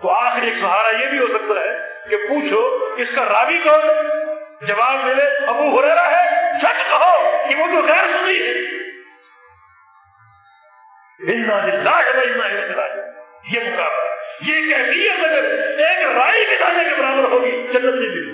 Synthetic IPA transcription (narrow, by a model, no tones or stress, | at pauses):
t̪oaːxɪɾieːkzɐɦaːɾajebʱiɦosɐk̚t̪aɦɛː | kepuːt͡ʃʰokeʊskaɾaːbikɔɾo | d͡ʒɐʋaːbmɪleɐbuɦoːɾɛɦɾaɦɛt͡ʃʰɐʈkɐɦoːkeʋot̪oɣɛːɾmʊ̃nd̪iɦɛː | ɪnːaːlɪlːaːɦɐbaɪnːaːɪd̪ɐnɪla̰ːijemʊkaːblajekɛːfijət̪ɐɡəɾeːkɾaːikid̪aːnekebɐɾaːbəɾɦoːɡid͡ʒɐnːət̪nĩbi